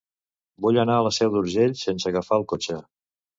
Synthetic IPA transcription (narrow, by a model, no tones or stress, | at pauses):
buʎənaələsɛwd̪uɾʒeʎsensəɣəfaəlˠkot͡ʃə